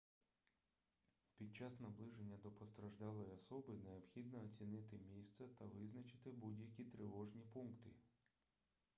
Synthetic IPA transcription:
pʲid̪̚t͡ʃɑsnɐblˠɪʒenʲːɐd̪ɔpɔst̪ɾɐʒd̪ɑlˠɔjɔsɔbɪneɔpxʲid̪nɔːt͡sʲinɪt̪ɪmʲijst̪sɛt̪ɐʋɪznɐt͡ʃɪ̥t̪ɪbudʲjɐkʲit̪ɾɪʋɔʒnʲipunkt̪ɪ̰

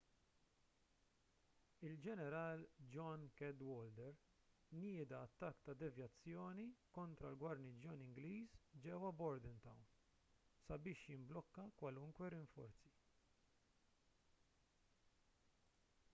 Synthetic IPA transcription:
ɪld͡ʒɛnɛɾɐːld͡ʒɔnkɛd̪wɔːld̪ɛɾ | nɪːd̪ɐːt̪ːɐkːt̪ɐd̪ɛvjɐt͡sːjɔːnikɔnt̪ɾɐlɡwɐɾnid͡ʒjɔnɪŋɡliːsd͡ʒɛwɐbɔɾd̪ɪnt̪ɐwn | sɐbɪːʃjɪmblɔkːɐkwɐlʊŋkwɛɾɪɱfɔ̰ɾt͡si

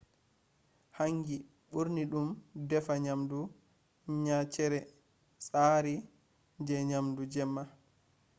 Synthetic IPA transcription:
haŋɡi | ɓuɾniɗumdɛfaɲamdu | ɲat͡ʃɛɾɛ | saːɾi | d͡ʒɛɲamdud͡ʒɛmːa

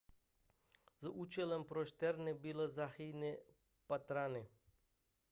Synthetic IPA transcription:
zaut͡ʃelempɾoʃt̪ɛɾnebilezaxijne | pat̪ɾane

